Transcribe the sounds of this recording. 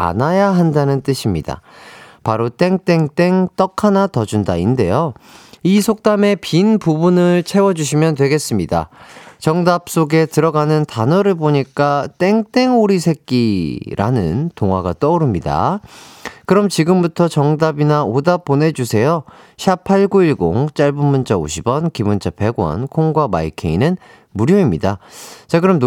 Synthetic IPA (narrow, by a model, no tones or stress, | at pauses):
a̰najaɦandanɯnt͈ɯɕʰimɲida̰paɾot͈e̞ŋt͈e̞ŋt͈e̞ŋt͈ʌkʰanatʌd͡ʑunda̰inde̞̰joisʰok̚t͈ame̞pinpubunɯɭt͡ɕʰe̞wʌd͡ʑuɕ̬ʰimjʌntwe̞ɡe̞s͈ɯmɲida̰t͡ɕʌŋdap̚s͈oɡe̞tɯɾʌɡanɯntanʌɾɯɭboɲik͈at͈e̞ŋt͈e̞ŋoɾisʰe̞k̚k͈iɾʔa̰nɯ̰ntoŋwaɡat͈ʌuɾɯmɲida̰ | kɯɾʌmt͡ɕiɡɯmbutʰʌt͡ɕʌŋdabinaodap̚p͈ːone̞d͡ʑusʰe̞joɕʰapʰaɭɡuiɭɡo̰ŋt͡ɕ͈aɭbummunt͡ɕao̰ɕʰibʌnkibont͡ɕ͈ʰape̞ɡwʌ̰nkʰoŋɡwama̰ikʰḛinɯn | muɾjoimɲidat͡ɕakɯɾʌm